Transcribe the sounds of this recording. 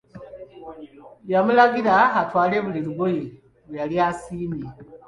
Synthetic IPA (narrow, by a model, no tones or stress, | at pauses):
jamulaɡiɾaatwaːle̞ːβuliɾuɡoji | βujaliasiːmi